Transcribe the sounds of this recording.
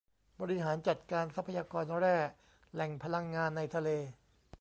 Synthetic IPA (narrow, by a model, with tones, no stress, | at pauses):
bɔː˧ɾi˦˥ɦaː˩˦nt͡ɕa˨˩t̪̚kaː˧nsa˦˥pʰːa˧jaː˧kɔː˧nɾɛː˥˩ | lɛ˨˩ŋpʰa˧la˧ŋːaː˧nːa˧jt̪ʰa˧leː˧